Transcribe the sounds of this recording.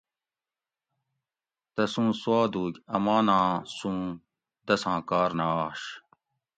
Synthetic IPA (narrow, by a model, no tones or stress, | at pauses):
t̪ɐsũːswaːd̪uːɡʲɐmaːnãːsũː | d̪ɐsãːkaːɾnaːɕ